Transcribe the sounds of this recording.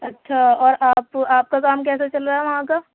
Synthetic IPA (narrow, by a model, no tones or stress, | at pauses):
ɐtːʃʰaɔːɾʔaːpaːp̚kakaːmkɛːsat͡ʃɐlɾaɦɛʋɐɦãka